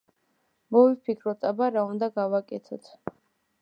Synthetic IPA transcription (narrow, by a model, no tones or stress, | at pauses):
mɔvifpʰikʰɾɔt̪ʼabaɾaund̪aɡavakʼɛt̪ʰɔt̪ʰ